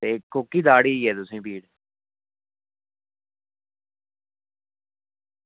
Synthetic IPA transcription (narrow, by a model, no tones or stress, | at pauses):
eːkokiːd̪aːɽiːiɛːt̪ʊsĩːbiːɽ